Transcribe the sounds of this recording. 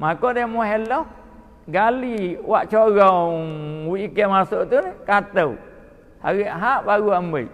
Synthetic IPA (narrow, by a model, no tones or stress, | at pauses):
makɔdɛmuhɛlɔh | ɡaliwaʔt͡ʃɔɣɔ | wiikɛmasuʔt̪unkat̪əw | ha̰ɣəʔɦaʔbaɡuambəj